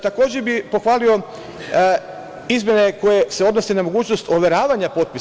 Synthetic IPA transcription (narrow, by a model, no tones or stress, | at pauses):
t̪ako̞ːd͡ʑebipo̞xʋaːlio̞ | izmje̞ne̞ko̞je̞seo̞d̪no̞senamo̞ɡuːt͡ʃno̞st̪oʋe̞ɾaːʋaɲapo̞t̪̚pi